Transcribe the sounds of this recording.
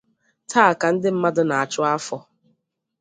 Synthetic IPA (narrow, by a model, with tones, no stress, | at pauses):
tʰaː˦a˨ka˨n̩˦dɪ˦m̩˦ma˦dʊ˦na˨a˨t͡ʃʊ˦a˦fɔ˦